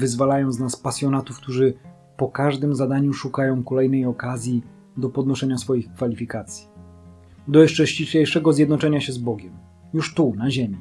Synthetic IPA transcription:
vɘzvalajɔ̃ñznaspasʲjɔnat̪ufk̚t̪uʐɘ | pɔkaʐd̪ɘmzad̪aɲuʂukajɔ̃w̃kɔlɛjnɛjɔkazʲji | d̪ɔpɔd̪nɔʂɛɲasfɔjixkfalʲifʲikat̪sʲji̥ | d̪ɔjɛʂt͡ʂɛɕiɕejʂɛɡɔzʲjɛd̪nɔt͡ʂɛɲaɕɛzbɔɡʲɛm | juʂt̪unaʑemʲi

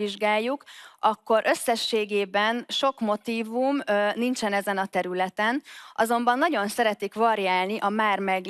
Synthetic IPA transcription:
iʒɡaːjːukʔɒkːo̞ɾʔø̞sːɛʃːeːɡeːbɛnʃo̞kmo̞t̪iːvumnint͡ʃɛnɛzɛnɒt̪ɛɾylɛt̪ɛnʔɒzo̞mbɒnːɒɟo̞nsɛɾɛt̪ikʋɒɾiaːlniʔɒmaːrmɛɡ

